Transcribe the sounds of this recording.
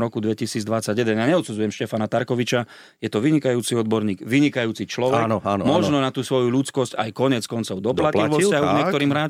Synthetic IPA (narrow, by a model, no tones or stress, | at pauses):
ɾɔkud̪ʋɛcisiːd͡zd̪ʋat͡saɟjɛd̪ɛnjaɲɛɔt̪sud͡zujɛmʃcɛfanat̪aɾkɔʋit͡ʃa | jɛt̪ɔʋiɲikajuːt͡siɔd̪̚bɔɾɲiːɡʋiɲikajuːt͡sit͡ʃlɔʋɛknɔamɔʒnɔnat̪uːsʋɔjuluːt͡skɔscajkɔɲɪɛt͡skɔnt͡sɔʊd̪ɔplacliɔaɦuɲɲɛkt̪ɔɾiːmɦɾaːt͡ʃ